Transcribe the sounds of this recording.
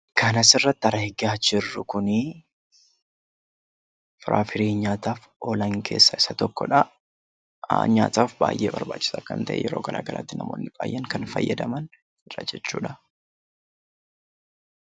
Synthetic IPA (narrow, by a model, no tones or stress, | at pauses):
kɐnɐsɪrːɐt̪ːɪɐɾɐhɛɡaːd͡ʒɪrːʊkʊnɪ | fɪɾʔa̰ːfɪɾeːnɲaːt̪aːf | ʔoːlɐŋkʰe̞ːsːɐɪsɐt̪ɔkːɔᶑɐ̰ | ɲa̰ːt̪aːfba̰ːjʔḛːbɐɾbaːt͡ʃːɪ̥saːkɐ̰nt̪ɐʔɛ̰jɛɾo̞ːɡɐlʔa̰ːɡɐla̰ːt̪ːɪnɐmo̞̰ːnːɪba̰ːjːɛŋkɐnfɐ̰jːɐd̪ɐmɐn | ɪrɐ̰d͡ʒɛt͡ʃːuːᶑɐ